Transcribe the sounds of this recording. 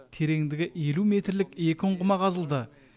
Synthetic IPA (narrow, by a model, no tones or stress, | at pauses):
t̪ʰe̞ɾe̞ŋd̪ɪɡʲɪe̞lume̞t̪ɾlɪkʲe̞kʲɪʊɴqʊmɑqʰɑzəlˠd̪ə